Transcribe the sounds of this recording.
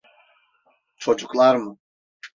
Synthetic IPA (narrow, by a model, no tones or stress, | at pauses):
t͡ʃʰo̞d͡ʒuklˠaɾmɯ